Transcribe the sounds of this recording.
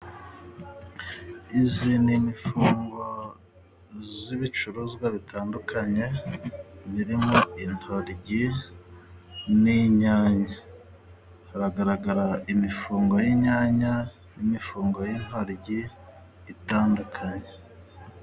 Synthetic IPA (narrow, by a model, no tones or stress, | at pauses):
izinimifuːŋɡo̞ | ziβit͡ʃuɾuzɡwaβitʰaːndukʰaɲe̞ | βiɾimoin̥hoɾɟi | niɲaːɲa | haɾaɡaɾaɡaɾaimifuːŋɡo̞jiɲaːɲa | nimifuːŋɡo̞jin̥hoɾɟiː | taːndukʰaɲe